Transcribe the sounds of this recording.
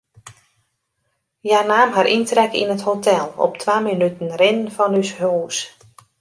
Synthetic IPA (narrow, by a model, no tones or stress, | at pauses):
jarnaːmɦaɾʔintrɛkḭnəthotʰɛlˠɔ̰ptʰʋaːminytən̩rɪnənfɔnyshoːs